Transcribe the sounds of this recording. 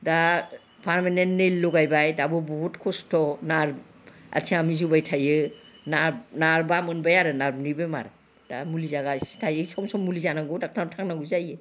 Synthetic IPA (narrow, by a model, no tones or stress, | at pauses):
da | pʰaɾmanentnelːɔɡajbajdabɔbɔhutkʰɔstʰɔnaɾ | a̰tʰiamizubajtʰajɯnaɾnaɾbamɯnbajaɾɯnaɾbnibema̰ɾ | d̥amulizaɡastʰajɯsɔmsɔmːulizanaɡɔdak̚tʰantʰaŋnaɡuzajɯ